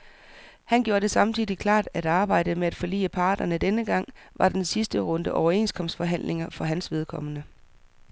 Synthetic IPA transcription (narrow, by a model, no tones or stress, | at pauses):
hænɡ̥jo̝ːɐdɾe̝sɑ̈mt͡sʰiːdˠikʰlɑ̰̈ːd̥æɾ̥ɑ̈ːb̥ɑ̈ɪ̰dəmeæd̥fɒ̽lḭːəpʰɑ̈ːd̥ɐnəd̥enəɡ̥ɑ̈ŋ̰ʋʔɑ̈d̥ensisd̥əʁɔ̽nd̥əʔɒʊɐe̝̰ːnskʰɒ̽m̰sd̥fɒ̽ɦæn̰le̝ŋɐfɒ̽ɦænsʋe̝ð̞ˠkʰɒ̽m̰ənə